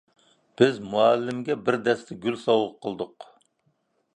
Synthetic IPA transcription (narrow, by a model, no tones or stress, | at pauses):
b̥ɪzmuælːɪmɡʲɛbɪɾd̪ɛst̪ʰɛɡʲylsɑwəqqʰːəlˠd̪ʊq